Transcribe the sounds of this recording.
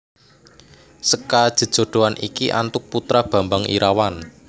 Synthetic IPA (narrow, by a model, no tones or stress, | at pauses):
səkad̥ʒ̥ə̤d̥ʒ̥o̤ɖ̪̥o̤anʔḭkiʔa̰nt̪ʊk̚put̪ɾab̥ä̤mbaŋʔḭɾawan